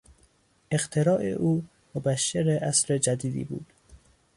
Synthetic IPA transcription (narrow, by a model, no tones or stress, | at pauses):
ʔeqt̪ʰeɾɒːʔḛʔuː | mobæʃːeɾeʔæsɾed͡ʒæd̪iːd̪ḭːbṵːd̪̥